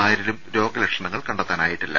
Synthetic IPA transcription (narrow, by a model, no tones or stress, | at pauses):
aːjɾilumɾo̞ːɡɐlekʂɐɳɐŋːɐɭkɐɳɖɐt̪ːaːnaːjiʈːilːɐ̰